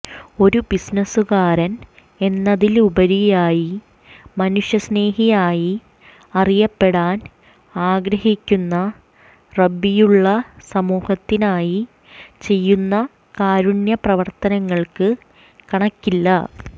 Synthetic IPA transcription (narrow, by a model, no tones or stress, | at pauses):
o̞ɾubisnɐsuɣaːɾɐn | e̞nːɐðilubɐɾijaːji | mɐnuʂjɐsne̞ːɦijaːji | ɐrijɐpːe̞ɽaːn | aːɡɾɐhikʲːunːɐ | rɐbːijuɭːɐsɐmuːhɐt̪ːinaːji | t͡ɕe̞jːunːɐ | kaːɾunjɐprɐʋɐrt̪ɐnɐŋːɐɭkɨ | kɐɳɐkːilːɐ̰